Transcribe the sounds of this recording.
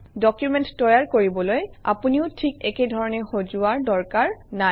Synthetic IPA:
dɔkjumɛnttɔjaɹkoɹibɔloja̰puniʊtʰikɛkedʱɔɹɔnɛxozuaɹdɔɹkaɹna

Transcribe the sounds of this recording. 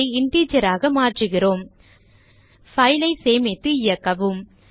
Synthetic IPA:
ɪɪɳʈiːd͡ʒɐɾaːɣɐmaːʈrɯɣɪroːm | fɐɪlɐɪseːmɪt̪ːɯɪjɐkːɐʋɯm

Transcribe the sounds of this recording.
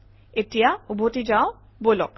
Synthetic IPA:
etijaubʱotizaʊ̃ | bolɔ̰k̚

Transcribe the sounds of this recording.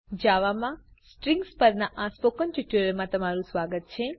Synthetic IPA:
d͡ʒaʋamã | sʈɾĩŋɡspəɾnaʔaspokənʈuʈjuɾəɾmãt̪əmaɾũsʋaɡət̪̚t͡ʃʰe

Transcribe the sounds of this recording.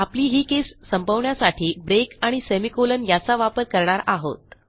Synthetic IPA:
apliːɦiːkesːəmbʱəʋɳjasaʈʰiːbɾekaɽ̃isemikolənjat͡saʋapəɾkəɾɳaɾaɦo̰t̪̚

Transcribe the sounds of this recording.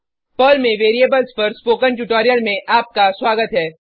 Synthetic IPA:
pəːlmẽʋeːɾiebəlspɐɾspoːkə̃nʈuʈoːɾijəlmẽʔaːp̚kaswaːɡət̪ɦɛː

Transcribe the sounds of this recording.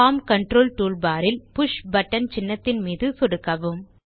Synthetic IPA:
aːmkɐɳʈɾoːlʈuːɭbaːɾɪlpʊʂbɐʈːɐnt͡ʃɪnːɐt̪ːɪnmiːðɯsʊɽɯkːɐʋɯm

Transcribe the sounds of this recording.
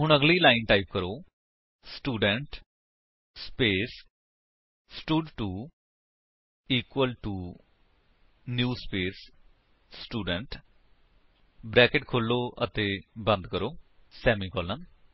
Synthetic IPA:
ɦʊɳ̃əɡliːlaːinʈaːip̚kəɾoː | sʈuːɖəɳʈ | speːs | sʈuːɖʈuː | iːkwəlʈuː | njuːspeːsː | ʈuːɖəɳʈ | bɾɛːkɪʈkʰoːlːoːʔə̰t̪eːbə̃nd̪kəɾoːsɛːmiːkɔːlən

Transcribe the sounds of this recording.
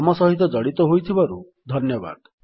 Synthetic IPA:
ɔmɔsɔɦit̪ɔd͡ʒɔɽit̪ɔɦojt̪ʰibaɾu | d̪ʱɔnjɔba̰d̪

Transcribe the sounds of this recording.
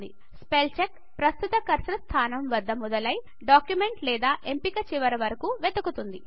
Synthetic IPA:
d̪ḭ | spelt͡ʃek | pɾɐst̪ut̪ɐkɐɾsɾɐst̪ʰaːnɐmʋɐd̪ːɐmud̪ɐlɐj | ɖaːkjume̞ɳʈlɛːd̪aːʔempikɐt͡ʃiʋɐɾɐʋɐɾɐkuʋed̪ɐkut̪und̪i

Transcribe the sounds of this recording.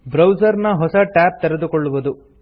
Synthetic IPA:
bɾɐwd͡ʒɐɾnɐɦɔsɐʈæːp̚t̪ɛɾɛd̪ukɔɭːuʋɐd̪u

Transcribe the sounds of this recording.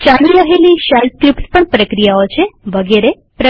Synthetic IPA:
t͡ʃaliɾəɦeliʃal̚kɾipspəɳpɾəkɾijaot͡ʃʰeʋəɡeɾe | pɾə

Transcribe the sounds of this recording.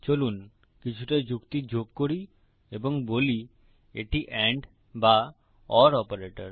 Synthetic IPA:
t͡ɕolun | kit͡ɕʰuʈad͡ʑukt̪id͡ʑʱob̚koɾi | eboŋboli | eʈiʔɛɳɖ | ba | ɔɾɔpaɾeʈa̰ɾ

